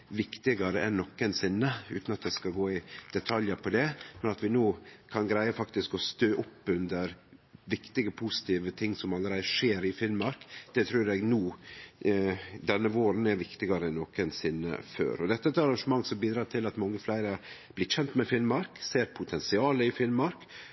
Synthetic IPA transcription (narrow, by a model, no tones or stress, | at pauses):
ʋɪkt̪ɪɡɑɾəʔɛnnɔkːənsɪnːəʉ̰ːt̪n̩ɑt̪̚d̪ɛskɑɡoːɪd̪̥ɛt̪ʰɑljəpʰɔd̪ɛmɛnɑt̪ʋɪnoːkʰɑnɡɾæɪəfɑkt̪ɪskɔst̪øːʔʊpːʉnd̪əɾʋɪkt̪ɪɡəpʰusɪ̥t̪ʰiːʋət̪ʰɪŋːsɔmɑlːəɾæɪəʂeːɾɪfɪlmɑɾkd̪̥ɛt̪ʰɾʉːɾɛɡnuː | d̪ɛnːəʋoːɾn̩æɾʋɪkt̪ɪɡɑɾəɛnːoːkənsɪnːə̰fø̰ːɾɔd̪ɛt̪ːəɛt̪ːəɑɾɑŋʂəmɑŋːsɔmbiːd̪ɾɑːt̪ʰɪlɑt̪mɑŋːəflæɪɾəɑɾb̥lɪt̪çɛnt̪mɛfɪlmɑɾkseːɾpʰʊt̪ʰɛnsɪɑːləɪfɪlmɑɾk